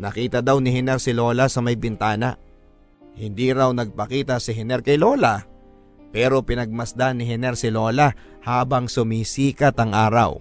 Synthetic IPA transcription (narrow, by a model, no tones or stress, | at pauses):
nɐkiːt̪ɐd̪awnɪhɛnɛɾsɪlo̞ːlasɐmɐjbɪnt̪aːna̰ | hɪnd̪iɾawnɐɡ̚pɐkiːt̪ɐsɪɦɛnɛɾkɐjlo̞ːla | pɛːɾo̞pɪnɐɡ̚mɐsd̪anɪɦɛnɛɾsɪlo̞ːla | haːbɐŋsʊmiːsiːkɐt̪ɐŋʔaːɾa̰w